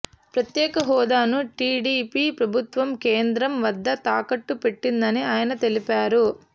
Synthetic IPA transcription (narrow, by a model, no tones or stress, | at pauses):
pɾɐt̪jɛːkɐɦɔːd̪aːnuʈiːɖipiːpɾɐbʱut̪ʋɐmkeːnd̪ɾɐmʋɐd̪ːɐt̪aːkɐʈːupe̞ʈːind̪ɐniaːjɐnɐt̪e̞lipaːɾu